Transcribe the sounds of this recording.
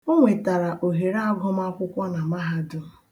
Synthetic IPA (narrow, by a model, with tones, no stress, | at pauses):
o˦ŋʷe˨ta˨ɾa˨ʔo˨ɦe˨ɾa˦ɡɔ˦ma˦kʷʊ˦kʷɔ˦na˨ma˦ɦa˦dʊ˦